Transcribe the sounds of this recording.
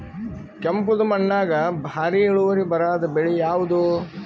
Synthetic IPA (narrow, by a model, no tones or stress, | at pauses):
kɐmpud̪ɐmɐɳːaːɡɐbʱaːɾiiɭuʋɐɾibɐɾaːd̪ɐbeɭijaːʋud̪u